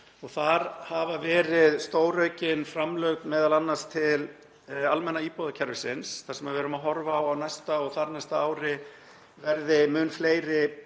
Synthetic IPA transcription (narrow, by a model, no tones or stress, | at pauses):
ɔɣθaɾhavavɛːɾɪðst̪oːwrœɥcɪnfɾamlœɥt̪mɛːðalanːḁst̪ʰɪl | almɛnːaiːpɔðacʰaɾvɪsɪnsθaɾsɛmaɾvɛːɾʏmaðɦɔɾvaːwawnajst̪aɔɣθaɾnajst̪aaːwɾɪ | vɛɾðɪmʏnfleːjɾɪ